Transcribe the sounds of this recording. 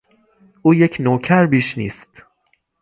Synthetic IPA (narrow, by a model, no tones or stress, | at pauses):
ʔuːjecʰnoːcʰæɾbiːʃnḭːst̪